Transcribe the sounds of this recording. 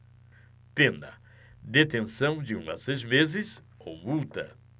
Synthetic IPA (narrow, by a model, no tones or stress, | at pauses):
pẽnd̪ɐ̰ | d̪et̪ẽsɐ̃w̃d͡ʒɪũɐ̰sejzmezɪs | o̰mut̪ɐ̰